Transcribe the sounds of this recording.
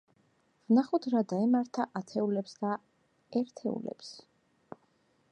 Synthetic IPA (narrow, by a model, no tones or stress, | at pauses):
vnaχud̪ɾad̪aɛmaɾt̪ʰaʔat̪ʰɛulɛpsd̪a | ɛɾt̪ʰɛṵlɛ̰ps